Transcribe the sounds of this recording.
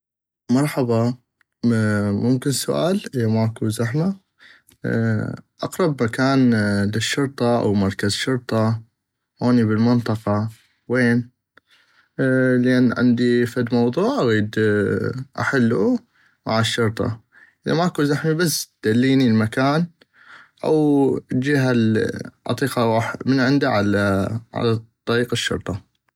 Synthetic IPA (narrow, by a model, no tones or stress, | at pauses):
mɑɾˤħɑbɑ | mʊmkɪnsʊʔa̰ːlʔəðamaʔakuzaħma̰ | ʔɑqɾˤɑbmakaːnlɪʃːʊɾˤt̪ˤɑʔa̰wmɑɾˤkazʃʊɾt̪ˤɑ | hoːniβɪlmɪnt̪ˤɑqɑ | weːn | ləʔanːʕa̰nd̪ifad̪mɑwðˤuːʕʔaɣiːd̪ | ʔa̰ħalːu | ma̰ʕaʃːʊɾt̪ˤɑ̰ | ʔɪðamaʔakuːzaħmibas̚ːd̪̥alːiːnilmakaːn | ʔawd͡ʒiɦalʕɑ̰t̪ˤiːqɑwaːħmənʕɪnd̪aʕalaʕa̰lat̪ˤːɑɾiːqaʃːʊ̰ɾˤt̪ˤɑ